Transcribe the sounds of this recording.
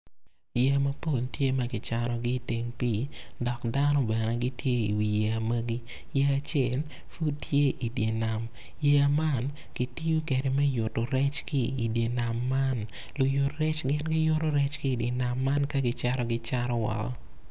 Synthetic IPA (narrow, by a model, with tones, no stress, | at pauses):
je˨mɐ˨po˦˨ltje˦mɐ˦ɡɪ˨t͡ʃaɾɔ˨ɡɪ˦te˨ŋpi˨dɔ˨kda˦nɔ˦bɛ˨nɛ˨ɡɪ˦tje˦i˨wi˨je˨a˨mɐ˦ɡi˦ | je˦a˨t͡ʃjɛ˦˨l | fu˦tje˦ʔi˨dje˨na˨m | je˦a˨ma˦n | ɡ̥i˦ti˦ju˦ke˨de˨mɛ˦jʊ˨to˨ɾɛ˦t͡ʃki˦i˨dje˨na˨mːa˦n | lʊ˨jʊ˨tɾɛ˦t͡ʃɡɪ˦nɡɪ˦jʊ˦ɾo˦ɾɛ˦t͡ʃkɪ˦˨dɪ˨na˨mːa˦nkɐ˦ɡɪ˦t͡ʃa˦ɾɔ˦ɡɪ˦t͡ʃa˦ɾɔ˦wɔ̰˨kɔ̰˦